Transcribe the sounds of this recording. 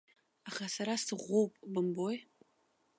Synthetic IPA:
aχasaɾasɨʁʷowpʼbɨmboj

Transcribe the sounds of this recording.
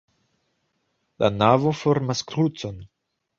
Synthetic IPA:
lʔa̰navofo̞ɾmaskɾut͡so̞n

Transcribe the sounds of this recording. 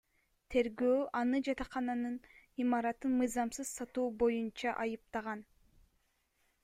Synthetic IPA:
t̪ʰe̞ɾɡøːʔɑnɯd͡ʒɑt̪ɑχɑnɑnɯnimɑɾɑt̪ɯnmɯjzɑmsɯzsɑt̪uːbo̞junt͡ʃɑʔɑjɯp̚t̪ɑʁɑn

